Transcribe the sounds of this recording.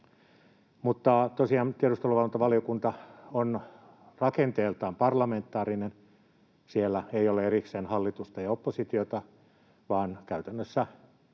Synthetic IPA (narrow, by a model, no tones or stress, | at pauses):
mut̪ːɑt̪osiɑːnt̪ieɾust̪oluʋɑlːont̪ɑʋɑlijokunt̪ɑon | rɑkent̪eːlt̪ɑːmpɑrlɑment̪ːˑɑːrinen | sielːæeioleeɾikseːnhɑlːit̪ust̪ɑjɑopːosit̪iot̪ɑ | ʋɑːnkæyt̪ænːøsːæ